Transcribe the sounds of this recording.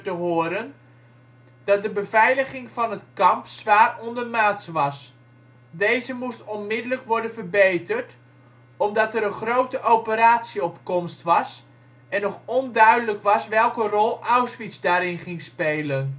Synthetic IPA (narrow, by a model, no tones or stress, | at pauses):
təɦʊːɾən | d̥ɑt̚dəbəvɛjləχɪŋvɑnətkɑmpsʋaːrɔndərmaːtsʋɑs | dejzəmustɔnmɪdələkʋɔɹdənvərbejtərt | ɔmdɑtɛɾənχrowtəʔowpəɾaːtsiɔpkɔmstʋɑs | ɛnɔχɔndœɥdələkʋɑsʋɛlˠkərɔlˠawsʋitsdaːɾɪnχɪŋspejlən